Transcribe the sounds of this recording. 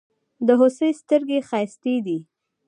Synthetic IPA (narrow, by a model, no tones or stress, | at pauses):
d̪əɦosəjst̪əɾɡexɑjst̪ed̪i